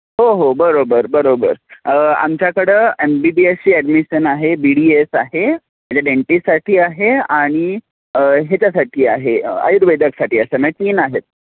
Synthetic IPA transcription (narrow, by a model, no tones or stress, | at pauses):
ɦoɦobəɾobəɾbəɾobə̰ɾa̰mt͡ɕjakəɽəembibiesiːɛɖmiɕənaɦebiɽiesaɦe | mat͡ɕaɖeɳʈissaʈʰiːaɦeaɽ̃i | ɦet͡ɕjasaʈʰiːaɦea̰jɾʋed̪ʱəksaʈiːəsəmɛt͡ɕiːnaɦet̪̚